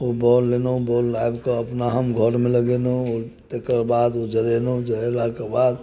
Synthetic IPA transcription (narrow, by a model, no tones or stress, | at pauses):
obɔlːenobɔːlːajbkoəpnaɦəmɡʱəɾmẽləɡenoɔːɾt̪ekəɾbaːd̪od͡ʒəɾenod͡ʒəɾelakebaːd̪